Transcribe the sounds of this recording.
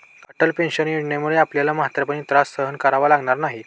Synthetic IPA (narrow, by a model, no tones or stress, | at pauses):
əʈəlpenɕənjiɽɳemuɭeapljalaməɦat̪ɾəpəɳit̪ɾasːəɦənkaɾaʋalaɡɳaɾnaɦi